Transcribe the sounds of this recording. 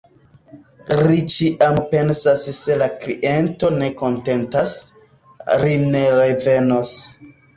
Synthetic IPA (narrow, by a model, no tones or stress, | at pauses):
ɾit͡ʃiʔampe̞nsasse̞laklḭʔe̞nto̞ne̞ko̞nte̞ntas | ɾine̞ɾeve̞nos